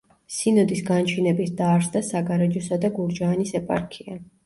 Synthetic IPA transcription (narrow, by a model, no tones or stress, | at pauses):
sinɔd̪isɡant͡ʃʰinɛbisd̪aɾsd̪asaɡaɾɛd͡ʒɔsad̪aɡuɾd͡ʒaːnisɛpʼa̰ɾkʰia